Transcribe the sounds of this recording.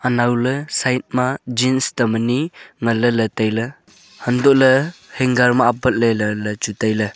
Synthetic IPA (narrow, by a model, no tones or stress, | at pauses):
anawlɯsajt̚mad͡ʒinstaməniŋələlətajlə | həndɔʔləheŋɡaɾmaːpət̚lelələt͡ʃutajlə